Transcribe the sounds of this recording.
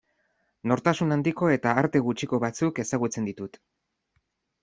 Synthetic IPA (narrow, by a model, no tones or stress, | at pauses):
no̞ɾt̪asunand̪iko̞e̞t̪aːɾt̪e̞ɣut͡ʃiko̞βat͡suke̞saɣ̞ut͡se̞nd̪it̪ut̪